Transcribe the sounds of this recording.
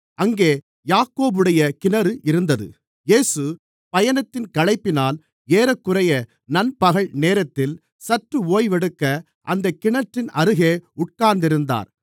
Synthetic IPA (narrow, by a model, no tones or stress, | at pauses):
ʔɐŋɡeː | jaːkːoːbɯɽɐjɐkɪnɐɾɯʔɪɾɯnd̪ɐðɯ̰ | jeːsɯ | pɐjɐnɐt̪ːɪnkɐlɐɪpːɪnaːl | eːɾɐkːɯrɐjɐ | nɐnpɐɣɐɭneːɾɐt̪ːɪl | sɐʈrɯoːjʋɛɽɯkːɐ | ʔɐnd̪ɐkːɪɳɐʈrɪnɐɾɯɣeːʊʈ̚kaːɾnd̪ɪɾɯnd̪a̰ːɾ